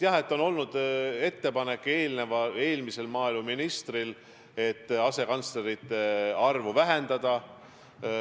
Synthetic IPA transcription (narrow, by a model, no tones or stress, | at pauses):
t̪jɑɦet̪ːo̞no̞lnud̪e̞t̪ːe̞pɑne̞kːˑe̞ːlne̞vɑe̞ːlmise̞lmɑːilmuminist̪ril | e̞t̪ːɑse̞kɑnt̪sle̞ɾit̪ːe̞ɑrvuvæɦe̞nd̪ɑd̪̥ɑ